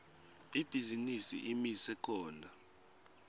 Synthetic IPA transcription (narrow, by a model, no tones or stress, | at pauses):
ib̥ʱizinisḭʔimisɛkʰɔːndʱa